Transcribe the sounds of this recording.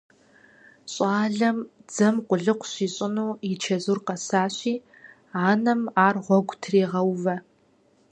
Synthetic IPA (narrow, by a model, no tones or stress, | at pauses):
ɕʼɑːɮɐm | d͡zɐmqʷʊɮɨqʷɕiːɕʼɪnuːɪt͡ʃʰɐzurqɐsaːɕiː | aːnɐmaːrʁʷɔɡʷtʰreːʁɐwvɐ